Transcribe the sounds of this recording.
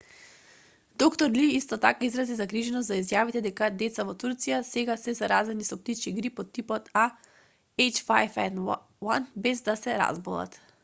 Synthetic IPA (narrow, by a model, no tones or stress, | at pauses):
d̪okt̪ɔɾliist̪ɔt̪akaizɾazizaɡɾiʒɛnɔs̬t̪zaizjavit̪ɛd̪ɛkad̪ɛt̪savɔt̪uɾt̪sijasɛɡasɛzaɾazɛnisɔp̚t̪it͡ʃiɡɾipɔt̪ːipɔt̪a | ɛjt͡ʃfajfɛn | wanbɛzd̪asɛɾa̰zbolˠa̰t̪